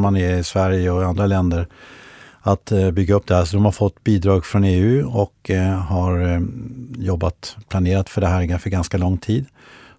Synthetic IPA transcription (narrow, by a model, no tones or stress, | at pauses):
manɪɪsvæɾjəɔand̪ɾalɛnd̪əɾ | at̪bʏɡːaɵp̚ːd̪ɛhæːʂɔd̪ɔmhaɾfɔt̪ːbiːd̪ɾɑːɡfɾɔneːʉ̟ːɔkɦaɾ | jɔbːat̪pʰlaneːɾat̪fœɖɛɦæːɾɡafœɾɡanskalɔŋːt̪ʰiːd̪